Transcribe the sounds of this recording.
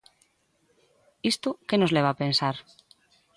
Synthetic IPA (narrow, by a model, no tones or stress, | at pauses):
ist̪okenoleβ̞apensaɾ